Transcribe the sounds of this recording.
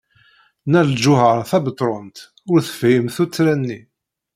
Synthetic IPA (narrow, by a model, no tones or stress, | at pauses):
næld͡ʒʊhəɾˤθæbət̪ˤɾˤont̪ | ʊɾθəfjəmθut͡sːɾænːi